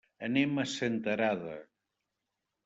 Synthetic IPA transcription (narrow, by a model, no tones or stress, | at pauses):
ənemɐsent̪əɾaðɐ̰